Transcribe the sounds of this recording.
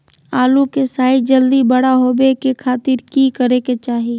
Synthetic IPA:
aːlukesaːid͡ʒəld̪ibəɽaɦoːbekekʰaːt̪ɪɾkikəɾeket͡ʃaːɦi

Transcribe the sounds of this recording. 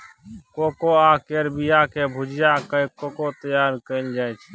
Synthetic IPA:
kokoakeɾbijakebʱud͡ʒjakəkokot̪əjaɾkəɪld͡ʒajt͡ʃʰ

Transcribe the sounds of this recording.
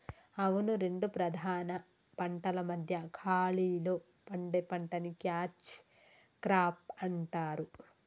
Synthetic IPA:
ɐʋunuɾe̞ɳɖupɾɐd̪ʱaːnɐ | pɐɳʈɐlɐmɐd̪ʱjɐkʰaːɭiːloː | pɐɳɖepɐɳʈɐnikjaːt͡ʃ | kɾaːp̚ɐɳʈaːɾu

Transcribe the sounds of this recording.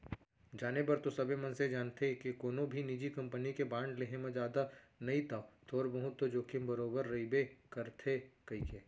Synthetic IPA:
d͡ʒaːnepɐɾt̪osɐbʱemɐ̃nsed͡ʒaːnt̪ekekoːnobʱiniːd͡ʒikɐ̃mpənikebãːɳɖleɦẽmẽd͡ʒaːd̪a | nɐɦĩt̪ʰat̪ʰoːɾbɐɦʊt̪ːod͡ʒoːkɪmbɐɾoːbəɾːɐibekɐɾt̪ʰekɐɦikeː

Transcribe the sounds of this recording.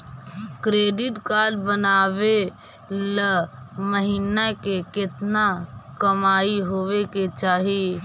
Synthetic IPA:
kɾeːɖɪʈkaːlbənaːʋe | ləməɦiːnakekɪt̪nakɐmaːiɦoːʋeket͡ʃaːɦie

